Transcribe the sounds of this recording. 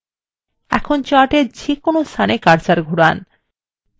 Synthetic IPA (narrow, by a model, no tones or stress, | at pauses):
ɛ̰kʰont͡ɕaʈeɾd͡ʑekonost̪ʰanekaɾt͡ɕaɾɡʱuɾan